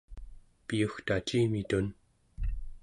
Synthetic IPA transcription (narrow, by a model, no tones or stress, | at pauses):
pijuxt̪at͡ʃiːmit̪un